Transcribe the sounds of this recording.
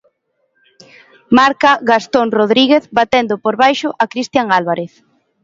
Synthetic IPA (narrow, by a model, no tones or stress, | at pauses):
maɾkaɣast̪oŋroðɾiɣeθbat̪end̪ʊpoɾβajʃʊʔakɾist̪jaŋalβaɾeθ